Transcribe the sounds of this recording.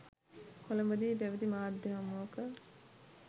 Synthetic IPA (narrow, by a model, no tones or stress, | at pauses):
kolɐmbɐd̪iːbæʋəd̪imaːd̪ʱjɐɦɐmːoːkə